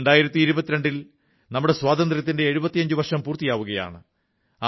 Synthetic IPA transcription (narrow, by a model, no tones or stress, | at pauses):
ɳɖaːjiɾɐt̪ːiːɾubɐt̪ːiɾe̞ɳɖil | nɐmːuɽe̞swaːd̪ɐnd̪rjɐt̪ːinde̞ːɻubɐt̪ːijɐɲd͡ʑuʋɐrʂɐmpuːrt̪ːijaːʋuɣɐja̰ːɳɨ | a